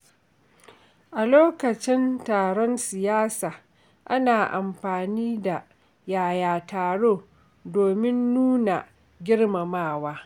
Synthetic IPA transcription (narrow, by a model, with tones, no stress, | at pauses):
ʔa˨loː˦kɐ˨t͡ʃɪ˦ntaː˨ɽɔ˦nsɪ˨jaː˦saː˨ | ʔa˦naː˨ʔa̰˨mɸaː˨niː˦da˨ | jaː˨jaː˨taː˨ɽoː˦˨ | doː˨mɪ˦nːuː˦na˨ | ɡʲɪ˦rma˨maː˦˨waː˦